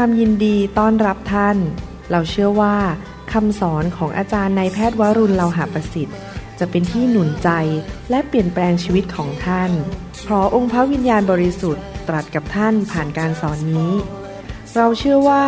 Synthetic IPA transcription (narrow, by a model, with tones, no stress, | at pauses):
waː˧mji˧ndiː˧t̪ɔː˥˩nɾa˦˥p̚t̪ʰa˥˩n | ɾa˧wt͡ɕʰɯ˥˩əwaː˥˩ | kʰa˧msɔː˩˦nkʰɔː˩˦ŋʔa̰ː˧t͡ɕaː˧nːa˧jpʰɛː˥˩t̪̚wa˦˥ɾu˧nla˧wɦaː˨˩˦pa˧si˨˩t̪̚ | t͡ɕa˨˩pe˧nt̪ʰiː˥˩nu˨˩˦nt͡ɕa˧jlɛ˦˥ʔpli˨˩ənplɛː˧ŋt͡ɕʰiː˧wi˦˥t̪̚kʰɔː˩˦ŋt̪ʰa˥˩n | pʰɾɔ˦˥ʔo˧ŋpʰa˦˥wi˧njaː˧nbɔː˧ɾi˧˥su˨˩t̪ːɾa˨˩t̪̚ka˨˩p̚t̪ʰa˥˩npʰaː˨˩nkaː˧nsɔː˩˦nːiː˦˥ | ɾa˧wt͡ɕʰɯ˥˩əwaː˥˩